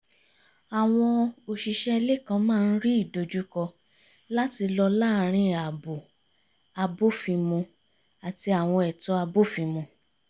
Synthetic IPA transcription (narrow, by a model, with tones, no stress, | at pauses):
a˨w̃ɔ̃˧o˨ʃi˨ʃɛ˦˧le˦kã˧mãː˦˧n̩˦ɾi˦i˦˨do˧d͡ʒu˦kɔ˧ | la˦ti˧lɔ˧laː˦˨ɾ̃ĩ˧a˨bo˨ | a˧bo˦fi˧mũ˧ | a˨ti˧a˨w̃ɔ̃˧ɛ˨tɔ˧˦a˧bo˦fi˧mũ˧